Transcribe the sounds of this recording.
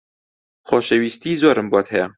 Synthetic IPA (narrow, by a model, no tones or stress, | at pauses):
xɔːʃɛwiːst̪iːzɔːɾɨmbɑːt̪hɛjɛ